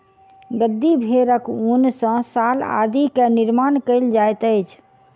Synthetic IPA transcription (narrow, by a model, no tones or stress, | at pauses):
ɡəd̪ːibʱeɾəkunsə̃sala̰d̪ikeniɾmankəɪld͡ʒajt̪əjt͡ʃʰ